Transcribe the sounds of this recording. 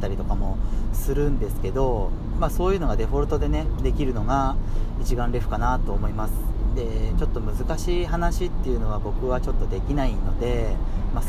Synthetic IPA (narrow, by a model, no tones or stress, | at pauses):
t̪ːaɾʲit̪o̞kamo̞sɨɾɯ̟̃nd̪e̞sɨ̥ke̞d̪o̞ | maːso̞ːjɯ̟ːno̞ɡad̪e̞ɸo̞ɾɯ̟t̪o̞d̪e̞ne̞d̪e̞kʲiɾɯ̟no̞ɡait͡ɕiɡãnɾʲeɸɯ̟̥kanat̪o̞ːmo̞imasɨ̥d̪e̞t͡ɕo̞t̪ːo̞mɯ̟zɨkaɕiːhanaɕit̪ːe̞jɯ̟no̞β̞abo̞kɯ̟β̞at͡ɕo̞t̪ːo̞d̪e̞kʲinaino̞d̪e̞ma